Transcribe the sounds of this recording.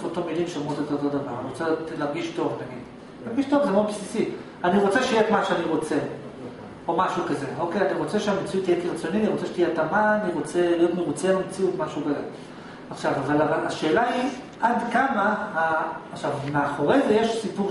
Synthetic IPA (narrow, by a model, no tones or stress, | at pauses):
ot̪omilimʃeomʁot̪iot̪ot̪od̪ava̰ʁniʁot͡setlaʁɡiʃto̞vnaɡid | laʁɡiʃto̞vzemaod̪bsisi | aniʁo̞t͡seʃejetmaʃeaniʁo̞t͡se | o̞maʃukazeo̞kejaniʁo̞t͡seʃeamet͡sijutijekiʁat͡sjonianiʁot͡seʃe̥t̪ijetamaaniʁo̞t͡selijo̞t̪meʁut͡senomet͡siut̪maʃukaze | aχʃavavalavalaʃe̞ːlai | ʔadkamahaːχʃavmeaχo̞ʁezejeʃsipuʁ